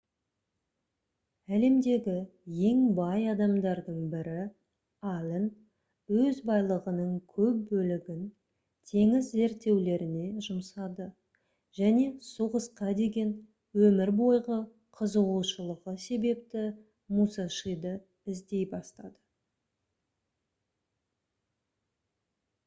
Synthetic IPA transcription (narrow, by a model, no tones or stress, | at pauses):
æle̞md̪e̞ɡʲɪje̞ŋbɑjɑd̪ɑmd̪ɑɾd̪əɴbɪɾɪ | ɑlʲɪn | wɵzbɑjlˠəʁənəɴkʲʰɵp̚bɵlɪɡʲɪn | t̪ʰe̞ŋɪzːe̞ɾt̪ːe̞wle̞ɾɪne̞ʒʊmsɑd̪ə | ʒ̥æne̞suʁəsqɑd̪e̞ɡʲe̞n | wɵmɪɾbo̞jʁə | qʰəzəʁuʃəlˠəʁəse̞be̞p̚t̪ɪ | musɑʃəjd̪ə | ɪzd̪e̞jbɑst̪ɑd̪ə